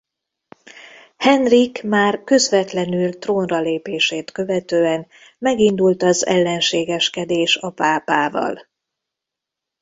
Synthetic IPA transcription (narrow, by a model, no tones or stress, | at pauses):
hɛnrikmaːrkø̞zvɛt̪lɛnylt̪roːnrɒleːpeːʃeːt̪kø̞vɛt̪øːɛn | mɛɡind̪ult̪ɒzɛ̰lːɛnʃeːɡɛʃkɛd̪eːʃɒpaːpaːvɒ̰l